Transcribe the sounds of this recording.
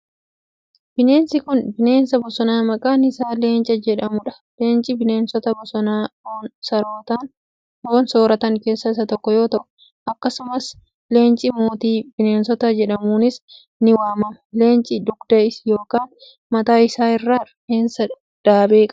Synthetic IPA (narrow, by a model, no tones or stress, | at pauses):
b̥ɪne̞ːnsɪkʊnbɪne̞ːnsɐbɔsɔnaːmɐkʼaːnɪsaːleːnt͡ʃʼɐd͡ʒɛᶑɐmʊᶑɐ̥ | leːnt͡ʃʼɪbɪneːnsɔt̪ɐbɔsɔnaːoːnsɐɾoːt̪aːn | hoːnso̞ːɾɐt̪ɐŋke̞ːsːɐɪsɐt̪ɔkːɔjo̞ːt̪ɐʔʊ̥ | ʔɐkːɐsʊmɐs | le̞ːnt͡ʃʼɪmo̞ːt̪iːbɪneːnsɔt̪ɐd͡ʒɛᶑɐmuːnɪs | nɪwaːmɐmɐleːnt͡ʃʼɪd̪ʊɡd̪ɐɪsjo̞ːkaːn | mɐt̪aːɪsaːɪrːaːɾheːnsɐ | d̪̥aːbeːkʼ